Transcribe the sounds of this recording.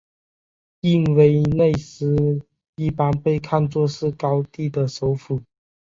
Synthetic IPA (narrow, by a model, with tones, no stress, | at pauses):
i˥˧nwe˧˥ɪne˥˩ɪsɹ̩˥ | i˥˩pa˦npe˥˧ɪkʰa˥˧nt͡swɔ˥˧ʂɻ̩˥˩kɑ˦˥ʊt̪i˥˩d̪ə˩ʂo˧˦ʊfu˨˩˦